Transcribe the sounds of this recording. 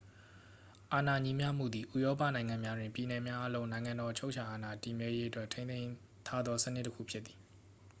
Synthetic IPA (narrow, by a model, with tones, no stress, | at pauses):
ʔa˨na˨ɲĩ˦mja˦m̥ṵ˦˨d̪ði˨ʔu˦˨jɔ˦p̬a̰˦˨nã˨ɪ̃ŋã˨mja˦dwɪ̃˨mpji˨nɛ˨mja˦ʔa˦lõ˦ʊ̃nã˨ɪ̃ŋã˨ndɔ˨t͡ɕʰo˦ʊʔt͡ɕʰa˨ʔa˨na˨ti˨mjɛ˦je˦ʔə˦twɛ˦˨tʰẽ˦ɪ̃nẽ˦ɪ̃ | t̪ʰa˦d̪ðɔ˦sə˦˨nɪ˦ʔtːə˦kʰṵ˦˨pʰjɪː˦i˨